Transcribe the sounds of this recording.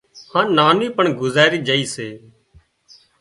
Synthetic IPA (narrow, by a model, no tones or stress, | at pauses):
hãːnaːniːpəɳɡʊzaːɾiːd͡ʒəiːseː